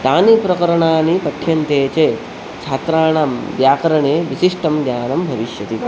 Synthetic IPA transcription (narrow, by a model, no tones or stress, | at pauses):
t̪aːnipɾɐkɐɾɐɳaːnipɐʈʰjɐnt̪eːt͡ʃeː | t͡ʃʰaːt̪ɾaːɳamʋjaːkɐɾɐɳeːʋisiʂʈɐmɡ̪jaːnɐmbʱɐʋiʃjɐt̪i